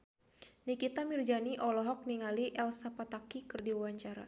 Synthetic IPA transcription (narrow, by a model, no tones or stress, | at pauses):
nikit̪amird͡ʒaniʔɔlɔɦɔk̚niŋaliʔɛlsapat̪akikɨrdiuwaɲt͡ʃaɾa̰